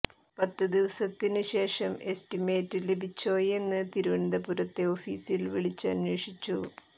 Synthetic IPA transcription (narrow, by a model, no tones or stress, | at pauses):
pɐt̪ːɨd̪iʋɐsɐt̪ːinɨɕe̞ːʂɐme̞stime̞ːtːɨlebʱit͡ɕːo̞ːjenːɨt̪iɾuʋɐɳd̪ɐpuɾɐt̪ːe̞o̞ːfiːsilʋiɭit͡ɕːɨɐ̰njoːʂit͡ɕːu